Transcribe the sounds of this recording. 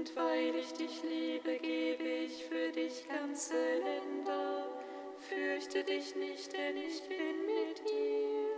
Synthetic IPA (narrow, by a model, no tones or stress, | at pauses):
ntv̥aɪlɪçd̥ɪçliːbəɡeːbəɪçfyːɐdɪçɡ̥ant͡səlɛndɐ | fʏɐçtʰədɪçnɪçtd̥ɛnɪçtɪnmɪtiːm